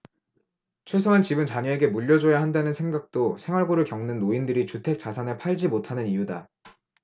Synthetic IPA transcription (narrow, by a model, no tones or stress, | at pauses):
t͡ɕʰwe̞s̬ʰʌant͡ɕibɯnt͡ɕaɲʌe̞ɡe̞muʎːʌd͡ʑʌjaɦandanɯnsʰeŋɡak̚t͈osʰe̞ŋwaɭɡoɾɯɭkjʌŋnɯnːoindɯɾit͡ɕutʰe̞k̚t͡ɕ͈asʰanepʰaɭd͡ʑimotʰanɯnijuda